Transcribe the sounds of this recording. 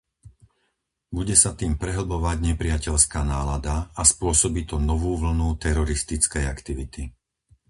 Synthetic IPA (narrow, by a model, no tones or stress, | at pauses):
buɟɛsat̪iːmpɾɛɦl̩bɔʋaɟɲɛpɾɪacɛʎskaːnaːlad̪aːspʊɔsɔbit̪ɔnɔʋuːʋl̩nut̪ɛɾɔɾist̪it͡skɛjakt̪iʋit̪i